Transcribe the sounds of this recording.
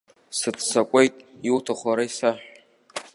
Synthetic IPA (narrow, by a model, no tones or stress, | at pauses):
sɨtʰʼsakʷʼejtʼjuwtʰaχʷaɾaisaħʷᶣ